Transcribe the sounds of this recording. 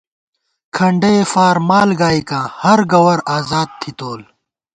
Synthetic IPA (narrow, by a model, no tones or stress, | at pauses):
kʰɐɳɖefaːɾmaːlɡaːikãːhɐɾɡɐwɐɾaːzaːd̪̚t̪ʰit̪oːl